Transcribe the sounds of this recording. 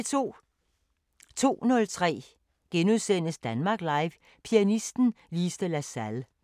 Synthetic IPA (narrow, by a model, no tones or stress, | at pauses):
t͡sʰo̝̰ːnɔ̽lt͡sʰʁɛ̰ː | ɡ̥enuðˠsen̰əsd̥ænmɑ̈ɡ̥lɑ̈ɪʋ | pʰiænisd̥n̩ | liːsd̥əlæsæl